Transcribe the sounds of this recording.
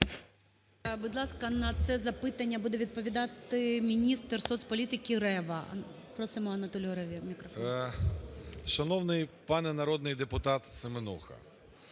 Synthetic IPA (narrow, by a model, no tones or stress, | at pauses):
bʊd̪lˠɑskɐnɐt̪sɛzɐpɪt̪ɐnʲːɐbud̪ɛʋʲid̪̚pɔʋʲid̪ɑt̪ɪmʲinʲist̪rsɔt̪sʲpɔlʲit̪ɪkʲiɾɛʋɐ | pɾɔsɪmɔɐnɐt̪ɔlʲɔɾɔʋʲimʲikɾɔf | ʃɐnɔwnɪjpɑnɛnɐɾɔd̪nɪjd̪epʊt̪ɑt̪sɪmenṵxɐ̰